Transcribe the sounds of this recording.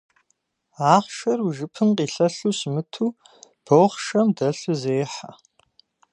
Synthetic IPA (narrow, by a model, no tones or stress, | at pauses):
aːχʃɐruʒɨpʰɨnqiːɬɐɬuɕmɨtʰuː | b̥owχʃɐmdɐɬɨzeːħa̰